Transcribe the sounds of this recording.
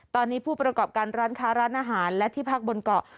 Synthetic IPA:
t̪ɔː˧nːiː˦˥pʰuː˥˩pɾa˧kɔː˨˩p̚kaː˧nɾaː˦˥nkʰaː˦˥ɾaː˦˥nʔaː˧ɦaː˩˦nlɛ˦˥t̪ʰiː˥˩pʰaː˥˩k̚bo˧nkɔ˨˩

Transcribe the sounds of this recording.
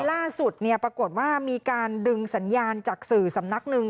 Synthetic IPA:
laː˥˩su˨˩t̪̚ni˥˩pɾa˧ko˨˩t̪̚waː˥˩miː˧kaː˧ndɯ˧ŋsa˩˦njaː˧nt͡ɕaː˨˩k̚sɯː˨˩sa˩˦mna˦˥k̚nɯ˧ŋ

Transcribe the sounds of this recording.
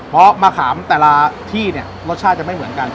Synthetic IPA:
pʰɔ˦˥maː˧kʰaː˩˦mt̪ɛː˨˩la˧t̪ʰiː˥˩ni˥˩ɐɾo˦˥t̪̚t͡ɕʰaː˥˩t̪̚t͡ɕa˨˩m˥˩jmɯ˩˦ənka˧n

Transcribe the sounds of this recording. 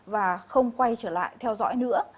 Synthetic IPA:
vaː˨˩xə˧wŋ͡mkwa˧jt͡ɕəː˧˩la̰ː˧˨jt̪ʰɛ˧wzɔ̰ː˧˥jnɨ̰˧˥ə

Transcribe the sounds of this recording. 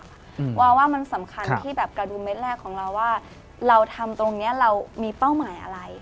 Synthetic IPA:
waː˧wːaː˥˩ma˧nsa˩˦mkʰa˧nt̪ʰiː˥˩bɛː˨˩p̚ka˧duː˨˧˩me˦˥t̪̚lɛː˥˩kʰːɔː˩˦ŋɾa˧wːaː˥˩ | ɾa˧wt̪ʰa˧mt̪o˧ŋni˦˥ɐɾa˧wmiː˧pa˥˩wmaː˩˦jʔa̰˧ɾa˧j

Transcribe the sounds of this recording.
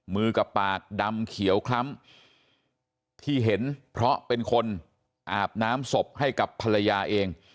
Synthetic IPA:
mɯː˧ka˨˩pːaː˨˩k̚da˧mkʰi˩˦əwkʰla˦˥m | t̪ʰiː˥˩ɦe˩˦npʰɾɔ˦˥pe˧nkʰo˧n | ʔaː˨˩p̚naː˦˥mso˨˩p̚ha˥˩jka˨˩pʰːa˧la˧jaː˧ʔeː˧ŋ

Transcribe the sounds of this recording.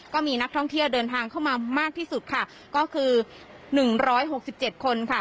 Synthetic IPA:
kɔː˥˩miː˧na˦˥k̚t̪ʰɔ˥˩ŋt̪ʰi˥˩əwdɤː˧nt̪ʰaː˧ŋkʰa˥˩wmaː˧maː˥˩k̪̚ʰiː˥˩su˨˩t̪̚kʰa˥˩ | kɔː˥˩kʰɯː˧ | nɯ˨˩ŋɾɔː˦˥jɦo˨˩k̚si˨˩p̚t͡ɕe˨˩t̪̚kʰo˧nkʰa˥˩

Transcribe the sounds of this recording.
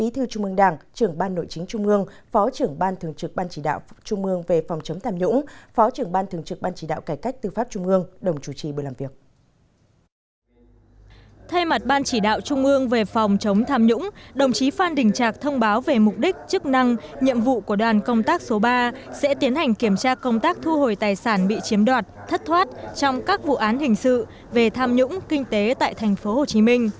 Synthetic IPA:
ʔi˨˦t̪ʰɨ˧t͡ɕʊ˧ŋ͡mʔɨ˧əŋɗaː˨˩ŋt͡ɕɨ˧˩əŋɓaː˧nːo̰˧˨jt͡ɕï˨˦ŋ̟t͡ɕʊ˧ŋ͡mʔɨ˧əŋfɔ˨˦t͡ɕɨ˧˩əŋɓaː˧nt̪ʰɨ˨˩əŋt͡ɕɨ˨˩k̚ɓaː˧nt͡ɕi˧˩ɗa̰ː˧˨wt͡ɕʊ˧ŋ͡mʔɨ˧əŋve˨˩fa˨˩wŋ͡mt͡ɕə˨˦wŋ͡mt̪ʰaː˧mɲʊ̰˧˥ŋ͡mfɔ˨˦t͡ɕɨ˧˩əŋɓaː˧nt̪ʰɨ˨˩ŋt͡ɕɨ˨˩k̚ɓaː˧nt͡ɕi˧˩ɗa̰ː˧˨wkaː˧˩jka˦˥jk̚t̪ɨ˧˩faː˦˥p̚t͡ɕʊ˧ŋ͡mʔɨ˧əŋɗə˨˩wŋ͡mt͡ɕu˧˩t͡ɕi˨˩ɓɨ˨˩laː˨˩mvi˨˩ək̚ | t̪ʰa˧jma˨˩t̚ɓaː˧nt͡ɕi˧˩ɗa̰ː˧˨wt͡ɕʊ˧ŋ͡mʔɨ˧əŋve˨˩fa˨˩wŋ͡mt͡ɕə˨˦wŋ͡mt̪ʰaː˧mɲʊ̰˧˥ŋ͡mɗə˨˩wŋ͡mt͡ɕi˨˦faː˧nɗï˨˩ŋ̟t͡ɕaː˨˩k̚t̪ʰə˧wŋ͡mɓaː˨˦wve˨˩mʊ˨˩k͡p̚ɗi˦˥k̟̚t͡ɕɨ˦˥k̚na˧ŋɲḭ˧˨əmvṵ˧˨ku˧˩əɗwaː˨˩nkə˧wŋ͡mt̪aː˦˥k̚so˨˦ɓaː˧sɛ̰˧˥t̪i˨˦ənha˨˩jŋ̟ki˧˩əmt͡ɕaː˧kə˧wŋ͡mt̪aː˦˥k̚t̪ʰu˧ho˨˩jt̪aː˨˩jsaː˧˩nɓḭ˧˨t͡ɕi˨˦əmɗwaː˨˩t̚t̪ʰə˦˥t̚t̪ʰwaː˦˥t̚t͡ɕɔ˧wŋ͡mkaː˦˥k̚vṵ˧˨ʔaː˨˦nhï˨˩ŋ̟sɨ̰˧˨ | ve˨˩t̪ʰaː˧mɲʊ̰˧˥ŋ͡mkï˧ŋ̟t̪e˨˦t̪a̰ː˧˨jt̪ʰa˨˩jŋ̟fo˨˦ho˨˩t͡ɕi˨˦mi˧ŋ̟

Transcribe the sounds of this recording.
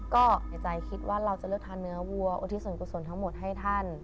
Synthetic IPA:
kɔː˥˩ha˨˩t͡ɕa˧˩jkʰi˦˥t̪̚wʔaː˥˩ɾa˧wt͡ɕa˨˩lɤː˥˩k̚t̪ʰaː˧nːɯ˧˦˥ɐwu˧ɐʔṵ˧t̪ʰi˧˥su˨˩˦nku˧˩so˧˩˦nt̪ʰa˦˥ŋmo˨˩t̪̚ɦa˥˩jt̪ʰa˥˩n

